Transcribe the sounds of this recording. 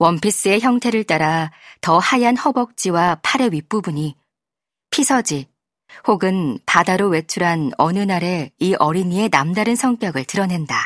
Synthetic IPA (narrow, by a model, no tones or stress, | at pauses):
wʌmpʰis͈ɯe̞çjʌŋtʰe̞ɾɯɭt͈aɾatʌhajanhʌbʌk̚t͡ɕ͈iwapʰaɾe̞ɥip͈ubuɲi | pʰisʰʌd͡ʑi | hoɡɯnpadaɾowe̞t͡ɕʰuɾɦanʌnɯnaɾe̞iʔʌɾiɲie̞namdaɾɯnsʰʌŋk͈jʌɡɯɭtɯɾʌne̞nda